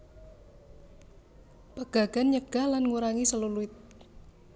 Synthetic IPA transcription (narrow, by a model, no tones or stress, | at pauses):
pəɡ̥a̤ɡ̥anɲəɡ̥a̤hlanŋuɾaŋisəluluɪt̪̚